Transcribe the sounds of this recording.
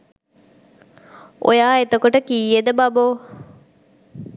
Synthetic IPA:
ʔo̰jaːet̪ɐkoʈəkiːed̪əbɐboː

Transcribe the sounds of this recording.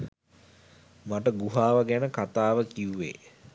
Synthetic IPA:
maʈəɡuɦaːʋəɡænəkat̪aːʋəkiuʋḛː

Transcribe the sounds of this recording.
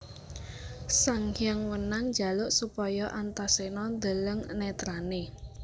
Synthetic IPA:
saŋhjaŋwənaŋd͡ʒa̤lʊʔsupɔjɔʔant̪asenɔd̪ə̤ləŋnɛt̪ɾane

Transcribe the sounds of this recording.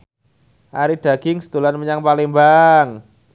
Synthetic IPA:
ʔaɾid̪̥a̤ɡ̥ɪŋsə̥t̪ulanməɲaŋpalɪŋmbaŋ

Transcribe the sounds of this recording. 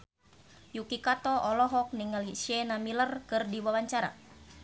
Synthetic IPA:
jukikat̪ɔʔɔlɔɦɔk̚niŋaliʃɛnamilərkɨrdiwawaɲt͡ʃaɾa̰

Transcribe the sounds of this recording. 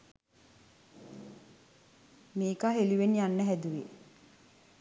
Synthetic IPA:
miːkaɦeliʋenijanːəɦæd̪uʋe

